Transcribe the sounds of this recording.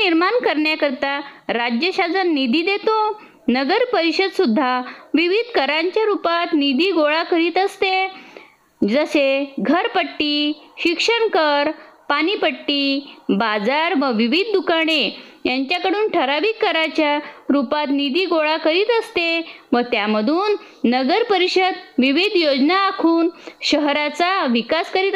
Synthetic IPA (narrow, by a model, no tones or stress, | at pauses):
niɾmankəɾɳjakəɾt̪aɾad͡ʑjəɕad͡zənːid̪ʱiːd̪et̪o | nəɡəɾpəɾiɕəd̪sud̪ʱːaʋiʋid̪ʱkəɾaɲt͡ɕjaɾupat̪nid̪iːɡoɭakəɾiːt̪əst̪e | d͡zəseɡʱəɾpəʈːiːɕikʂəɳkəɾpaɽ̃ipəʈːiːbad͡zaɾʋəʋiʋid̪̚ʱːukaɳ̃ejaɲt͡ɕjakəɽuːnʈʰəɾaʋiːkːəɾat͡ɕjaɾupat̪nid̪iːɡoɭakəɾiːt̪əst̪e | ʋət̪jaməd̪ʱuːnː | əɡəɾpəɾiɕəd̪ʋiʋid̪ʱjod͡znaːkʰuːnɕəɦɾat͡saʋikaskəɾiːt̪